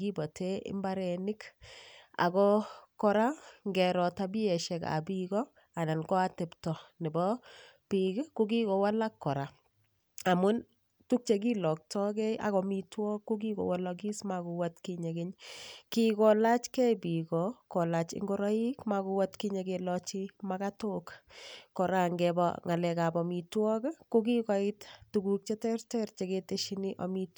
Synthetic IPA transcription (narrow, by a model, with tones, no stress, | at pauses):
ɡi˦bɔ˨tʰe˦ʔɪ̰˦mba˦ɾɛ˨nɪ˦k | a̰˨ɡɔkɔ˦ɾa˦ŋɡɛ˨ɾɔ˨ta˨bi˦ɛ˨ʃɛ˨ka̰˨biɡɔ˦ | a˨na˨nkɔ˦a˦tɛ˨ptɔ˨nɪ˨bɔ˦ | piɡkʊ˦ɡi˦kɔ˨wa˦la˦kːɔ˨ɾa˨ | a˨mʊ˦n | tu˦k̚t͡ʃe˨ɡ̬i˦lɔ˨k̚tʰɔ˦ɡɛ˦a̰˨ɣɔ˨mi˨twɔ˦kʊ˦ɡi˦ɡɔ̰˨wa˦laɡi˦smaɡʊ˨wa˦tki˦ɲe˨ɡɪ˦ɲkikɔ˨la˦t͡ʃkɛ˦jbi˨kɔkɔ˨la˨t͡ʃɪ̰˦ŋɡo˦ɾɔ˦i˦kmaku˧wa˦tki˦ɲe˨kelɔt͡ʃi˦makato˦kkɔ˨ɾaŋɡɛbɔ̰ŋa˨lɛ˨ka˨bɔ˨mi˨twɔ˦kko˦ki˦kɔ˨ɪttu˨ɡu˨k̚t͡ʃɛ˦tɛ˦rtɛrt͡ʃe˨keteʃi˦ni˦ʔɔ̰˨mit